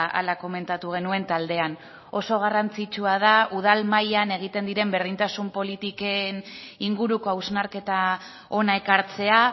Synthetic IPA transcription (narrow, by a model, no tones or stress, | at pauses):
a̰lako̞me̞nt̪at̪uɣ̞e̞nue̞nt̪ald̪e̞an | o̞so̞ɣ̞arant͡sit͡ʃuað̞auð̞almajane̞ɣ̞it̪e̞nd̪iɾe̞mbe̞ɾðint̪asumpo̞lit̪ikeniŋɡuɾuko̞awznaɾke̞t̪a | o̞nae̞kaɾt͡se̞a